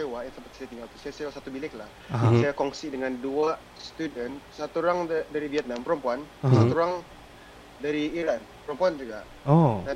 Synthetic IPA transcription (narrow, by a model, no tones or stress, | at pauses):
ewaʔjaŋsəmpat̪̚sajat̪iŋɡalt̪u̥sajasewasat̪ubilɪkla̰h | sajakɔŋsidəŋandua | st̪udənsat̪uɾaŋdaɾiviɛt̪̚nampəɾəmpuansat̪uɾaŋ | daɾiiɾan | pəɾəmpuand͡ʒuɡaʔ | oda